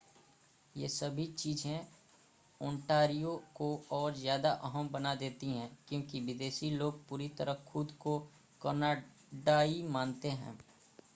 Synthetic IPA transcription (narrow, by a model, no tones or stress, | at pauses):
jḛːsɐbʱit͡ʃiːzẽ | ɔ̃ːɳʈaːɾijokoɔːɾzjaːd̪aʔɐɦəmbɐnad̪eːt̪iɦɛ̃ːkjõːkiʋɪd̪eːʃiloːɡ̚puːɾit̪ɐɾəxʊd̪ko | kɐɾna | ɖaːimaːnt̪eɦɛ̰̃ː